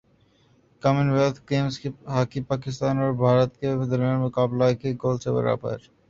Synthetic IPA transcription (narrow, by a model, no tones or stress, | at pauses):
kamenʋelt̪ʰkemseɦaːkipakist̪aːnoːɾbʱaːɾət̪ked̪əɾmianmʊkaːblakeɡolt͡ʃebə̰ɾa̰ːpa̰ḛɾ